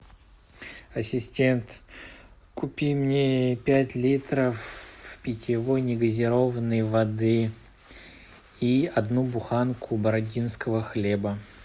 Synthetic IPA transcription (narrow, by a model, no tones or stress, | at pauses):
ɐsʲɪsʲtʲent̪ | kʊpʲimnʲepʲætʲlʲit̪ɾəfpʲɪtʲɪvojnʲɪɡəzʲɪɾo̞vənːəjvɐd̪ɨ | iɐd̪nubʊxankʰʊbəɾɐdʲinskəvəxlʲebə